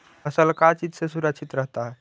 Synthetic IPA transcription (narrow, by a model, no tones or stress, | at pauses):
əsəlkat͡ʃid͡ʒsesuɾəkt͡ʃʰit̪ɾəɦt̪aɦɛ